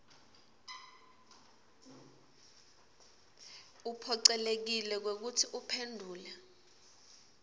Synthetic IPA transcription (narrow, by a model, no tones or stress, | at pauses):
upʰɔǀɛlek̬ilɛk̬wek̬utʰiʔupʰendʱuːla